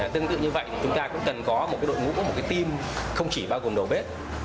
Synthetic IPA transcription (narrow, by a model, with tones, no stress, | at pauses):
t̪ɨ˧əŋt̪ɨ̰˧˨ɲɨ˧və̰˧˨jt̪ʰi˧˨˩t͡ɕʊ˨˦ŋ͡mt̪aː˧kʊ̰˧˥ŋ͡mkə˨˩nkɔ˨˦mo˨˩t̚ka˨˦jɗo̰˧˨jŋṵ˧˥ku˨˦m̚˨˩kaː˨˦t̪i˧mxə˧wŋ͡mt͡ɕi˧˩ɓaː˧wɣo˨˩mɗo˨˩ɓe˦˥t̚